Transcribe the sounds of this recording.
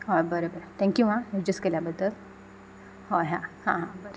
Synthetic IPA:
ɦobəɾəbəɾt̪ʰɛ̃ŋkjuʋãjed͡ʑəskeljabəd̪əl | ɦoɦãhãɦãbəɾ

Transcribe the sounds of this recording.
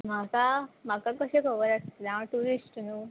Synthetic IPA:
m̤akam̤akakəɕekəʋəɾakt̪naʋəʈuɾisʈnu

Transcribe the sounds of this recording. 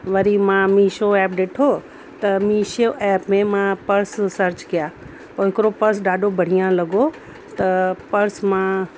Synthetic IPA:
ʋɐɾimãmiʃoɛːp̚ɗeːʈʰo | t̪ɐmĩʃoʔɛːpmẽmãpɐɾssɐɾt͡ɕɡɪjaː | poːɦɪkɪɾopɐɾs̬ɖaːɖobʱɐɽ̤ijãlɐɡo | t̪ɐpɐɾsmã

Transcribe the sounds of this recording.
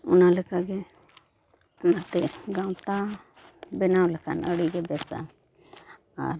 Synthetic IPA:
ʊnalɛkaɡɛ | nat̪ɛɡawt̪a | bɛnawlɛkʰanəɽiɡɛbɛsa̰ | a̰ɾ

